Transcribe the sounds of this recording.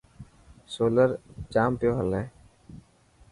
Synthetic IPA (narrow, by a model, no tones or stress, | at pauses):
soːləɾt͡ʃaːmpebəleː